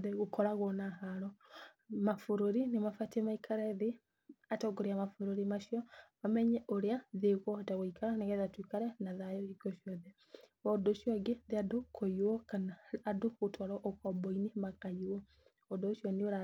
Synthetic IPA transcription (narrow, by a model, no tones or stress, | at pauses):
ðeɣokɔɾaɣɔnaɦaɾɔ | mafoɾoɾinemafatɛmaikʰaɾɛðe | atɔɡoɾeamafoɾoɾimaʃiɔmamɛɲɛʔoɾeaðeɣɔataɣoikaɾanaɣɛðatwikaɾɛnaðajɔiɡɔʃjɔðɛ | ɔdoʃjɔɡeðeadokʰojwɔkanaːdoɣotwaɾɔʔokɔbɔinemakaiwɔ | ɔdoːʃjɔneoɾa